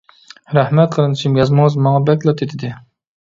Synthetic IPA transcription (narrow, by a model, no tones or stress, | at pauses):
ɾæhmɛt̪̚qʰəɾɨnɨt͡ʃʰimjɑzmɑŋəzmɑŋɑbɛkʲlˠɑt̪ʰet̪ʰɪd̪ɪ